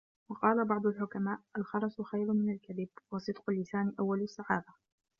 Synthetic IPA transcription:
wɑqɑːlabɑʕd̪ˤʊlħʊkamaːʔʔalxɑɾˤɑsxajɾmɪnalkaðɪbwɑsˤɨd̪qʊlːɪsaːnʔawːalsːaʕaːða

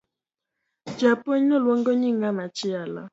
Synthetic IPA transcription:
d͡ʒaponəlwoŋɡəɲiŋamat͡ʃijala̰

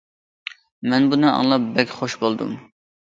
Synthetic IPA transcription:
mɛnbunɨɑ̰ŋlˠɑp̚bɛkʲχoʃbolˠd̪ṵm

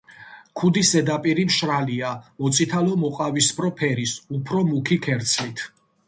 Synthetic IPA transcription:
kʰud̪isɛd̪apʼiɾimʃɾaliamɔt̪sʰʼit̪ʰalɔmɔqʼavispʰɾɔpʰɛɾisupʰɾɔmukʰikʰɛɾt̪sʰlit̪ʰ

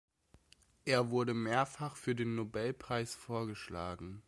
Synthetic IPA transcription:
ʔeːɐvʊɐɾəmeːɐfaχfyːɐdeːnːobɛlpʁ̥aɪsfoːɐɡəʃla̰ːɡŋ̩

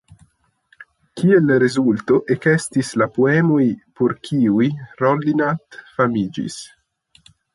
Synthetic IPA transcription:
kielɾezult̪oʔekest̪islapoemojpoɾkʰiujrolːinat̪famiːd͡ʒḭs

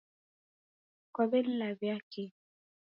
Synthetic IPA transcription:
kwabɛl̩lavjaki

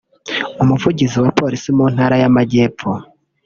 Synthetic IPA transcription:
umuvuɟiziwapo̞ːɾisimuːn̥haːɾajamaɟe̞ːp̪p͡fo

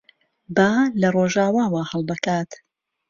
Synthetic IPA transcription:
baːlɐroʒaːwaːwahəlˠbɨkaːt̪

